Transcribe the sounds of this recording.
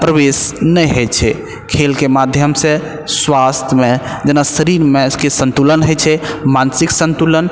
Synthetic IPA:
pɾəbesnɛjɦəjt͡ʃʰɛ | kʰelkemad̪ʱjəmse | sʋast̪ʰjmed͡ʒenasəɾiɾmekesə̃nt̪ulənɦəjt͡ʃʰɛmansiksə̃nt̪ulən

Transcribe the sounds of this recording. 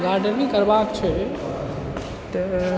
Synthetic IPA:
ɡaɾɖəɾnĩkəɾbakt͡ʃʰɛ | t̪ə

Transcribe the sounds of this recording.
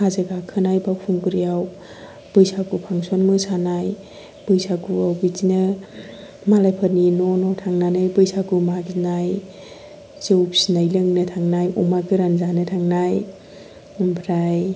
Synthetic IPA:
hazeɡakʰɯnajbawpʰuŋɡɯɾijaw | b̥ɯjsakupʰaŋsonmɯsanaj | b̥ɯjsakuawbizinɯ | malajpʰəɾninonɔtʰaŋnanajbɯjsakumaɡinaj | zeupsinajlɯŋnɯtʰaŋnajɔmakɯɾanzanɯtʰaŋnaj | bɾaj

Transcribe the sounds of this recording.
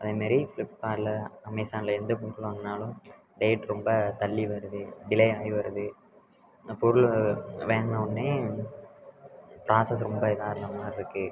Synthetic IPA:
ɐðeːmaːɾifɪlɪpːaːɾlɐɐmɐɪsaːnlɐɛnd̪ɐpʊnkɯlʋɐŋɐnaːlʊ̃m | ɖeːʈɾɔmbɐt̪ɐlːiʋɐɾɯðɯɖɪlɐjaːjʋɐɾɯðɯ | pɔɾɯɭʋeːŋɡɐnɐɔnːeː | pɾʔaːsɐs̬ɾɔmbɐɪðaːɾɐɳɐmaːɾɪɾɯkːɯ

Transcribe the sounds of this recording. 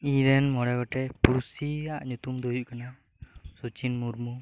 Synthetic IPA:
iɾɛnmɔɽɛɡɔʈɛpuɾusiaʔɲut̪umd̪ɔjuʔkana | sut͡ʃinmuɾmu

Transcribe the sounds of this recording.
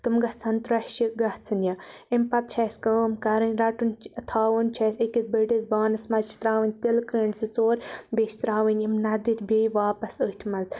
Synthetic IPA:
t̪ɨmɡɐt͡sɐnt̪ɾɐʃiɡɐht͡sʰɨnʲjaimpɐp̚t͡ʃʰɐsʲkəːmkɐɾɨnʲɾɐʈunt̪ʰaːʋɨnt͡ʃʰɐsekizbɐɖizbaːnɐsmɐzt͡ʃʰi̥t̪ɾaːʋɨnʲt̪ilkəːɳɖsɨt͡soːɾbʲet͡ʃʰʲt̪ɾaːʋɨnʲimnɐd̪iɾʲbʲeːjʋaːpɐsət̪ʰʲmɐz

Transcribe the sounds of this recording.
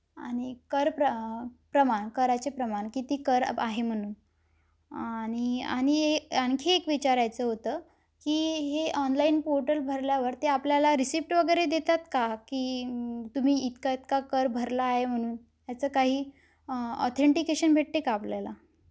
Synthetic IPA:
aɽ̃ikəɾpəpɾəmaɳkəɾat͡ɕepɾəmaɳkit̪iːkəɾa̰ɦem̤əɽ̃uːn | aɽ̃ia̰ɽ̃ieaŋkʰeːkʋit͡ɕaɾajt͡səːɦot̪əː | kiːɦeʔɔnlainpoɾʈəlbʱəɾljaʋəɾt̪eapljalaɾisipʈʋəɡəjɾed̪et̪at̪kakiːt̪um̤iːt̪kait̪kakəɾbʱəɾlaːɦem̤əɽ̃uːn | t̪jat͡səːkaɦiː | ɔ̰t̪ʰeɳʈikeɕənbʱeʈ̚t̪ekaːpljala

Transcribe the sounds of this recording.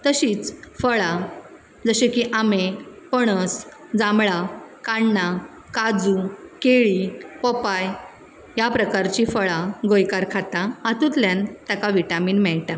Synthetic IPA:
t̪əɕiːt͡sfəɭa | d͡zəɕekiʔamepəɽ̃əs | d͡zamɭakaɳːa | kad͡zukeɭipɔpaj | japɾəkaɾt͡ɕiːfəɭaɡojkaɾkʰat̪aat̪ut̪ljãnt̪akaʋiʈamiːnmɛɭʈa

